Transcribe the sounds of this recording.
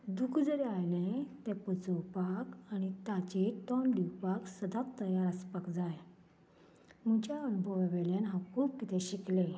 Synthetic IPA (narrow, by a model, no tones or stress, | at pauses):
d̪ukʰd͡zəɾeajnet̪ɛ̃pət͡səwpakañit̪at͡ɕeʈɔnɖiwpaksəd̪at̪ːəjaɾəspakd͡zaj | m̤ut͡ɕaəʋibʱəʋaʋeljanɦãkʰuːp̚kit̪eɕikle